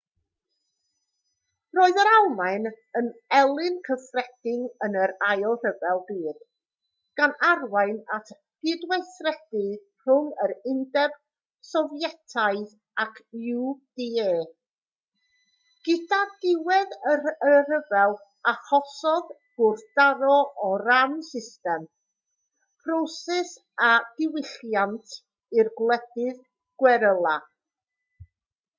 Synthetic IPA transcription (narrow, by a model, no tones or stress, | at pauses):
roːɨðəɾalˠman | ənɛlˠɪnkʰəfrɛd̥ɪŋənəɾajɔr̥əvɛlˠbiːd̥ | ɡ̥anarwaɨnatʰ | ɡ̥ɪdwejθrɛdɨ | r̥ʊŋəɾɪndɛb̥ | sɔvjɛtʰaɨð | akʰuwd̥ieː | ɡ̥ɪdadɪwɛðəərəvɛlˠ | aχɔsɔð | ɡ̥ʊrd̥aɾɔʔɔɾamsɪstɛm | pʰrosɛs | ad̥ɪwɪɬjantʰ | irɡlˠɛdɪð | ɡ̥wɛɾəlˠa